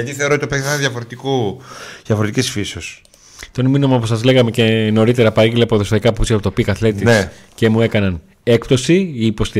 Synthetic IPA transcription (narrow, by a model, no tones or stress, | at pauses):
ɐt̪iθeoɾot̪opeɐnðjʝɐfoɾet̪ikuðjɐfoɾt̪icesfisos | t̪o̞nminomɐoposɐzle̞ɣɐme̞ce̞no̞ɾit̪e̞ɾɐpɐɣilɐpoðo̞st̪ɐikɐpusiɐpot̪opikɐθle̞t̪ies | ce̞mue̞kɐnɐn | e̞k̚p̚t̪o̞siiːpo̞st̪i